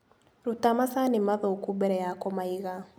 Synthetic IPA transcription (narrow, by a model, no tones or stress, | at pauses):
ɾutamasanemaðoːkubɛɾɛjakɔmaiɣa